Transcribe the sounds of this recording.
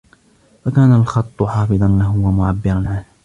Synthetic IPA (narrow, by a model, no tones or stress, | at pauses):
fakaːnalxɑt̪ˤːʊħɑːfɨðˤɑnlaɦʊwamʊʕabːɪɾˤɑnʕanh